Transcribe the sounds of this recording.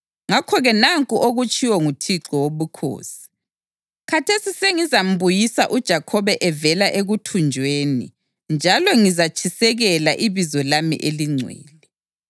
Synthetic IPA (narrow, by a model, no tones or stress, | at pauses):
ŋakʰɔɣɛnaŋkʼuʔoɣut͡ʃʼʰiwɔŋutʰiǁɔwoβukʰo̰ːsi̥ | kʰatʰesiseŋizam̩βujisaʔud̥ʒ̥ʱakʰɔβɛʔɛvɛlaʔeɣutʰund͡ʒʱweːnḭ | nd͡ʒʱalɔŋizat͡ʃʰisɛɣɛlaʔiβizɔlamḭʔeliŋ͡ǀʱwḛːli